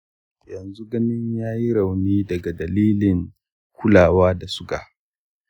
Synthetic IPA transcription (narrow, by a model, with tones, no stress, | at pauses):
jɐ˨nzu˦ɡɐ˦nɪ˦ɲjaː˦ji˦ɽa˨wniː˦dɐ˨ɡa˨dɐ˨liː˦lɪ˨ŋ | kʰʷʊ˦laː˨waː˦da˨sʊ˦ka̰˨ʔ